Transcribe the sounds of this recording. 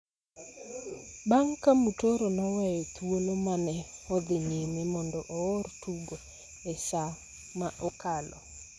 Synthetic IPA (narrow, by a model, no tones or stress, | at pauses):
baŋkamutoɾɔnawajɔt̪wolomanɛɔd̪ɪɲenemɔndɔʔɔɔrtuɡo | ɛʃa | maʔɔkalɔ̰